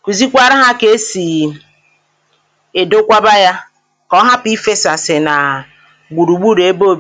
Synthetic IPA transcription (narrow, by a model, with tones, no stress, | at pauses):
kʷu˨zi˦kʷa˦ɾa˦ɦa˦ke˨˦si˨ | e˨do˦kʷa˦ba˦ja˦ | kɔ˦ɦa˦pi˦fe˦sa˨se˨na˨ | ɡ͡bu˨ɾu˨ɡ͡bu˦ɾe˦bo˦b